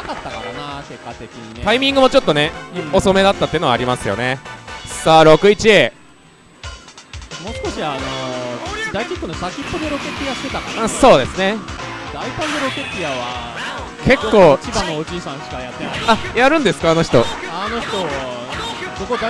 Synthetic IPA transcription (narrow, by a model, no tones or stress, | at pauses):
akat̪ːakaɾanake̞kːat̪e̞kʲiɲ̟it̪aimʲĩŋɡɯ̟mot͡ɕo̞t̪ːo̞neoso̞me̞d̪at̪ːat̪ːeɯnoaɾʲimasɨjo̞̰ne̞saɾo̞kɯ̟it͡ɕieː | mo̞skoɕiano | d̪aikʲikːonosakʲipːod̪e̞ɾo̞ke̞t̪ʲːijaɕɨ̥t̪e̞t̪akãso̞ːd̪e̞sɨne̞d̪aipãnd̪eɾo̞ket̪ʲːiaβa | kʰe̞kːo̞ːt͡ɕibanoːd͡ʑiːsãɰ̃ɕi̥kajat̪ːenaiajaɾɯ̟̃nd̪e̞sɨ̥kaːno̞çi̥t̪o̞ | ano̞çi̥t̪o̞ | bokod̪a